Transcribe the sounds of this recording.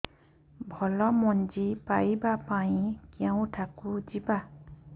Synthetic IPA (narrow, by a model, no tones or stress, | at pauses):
bʱɔlɔmɔnd͡ʒipajbapaĩkaw̃tʰakud͡ʒiba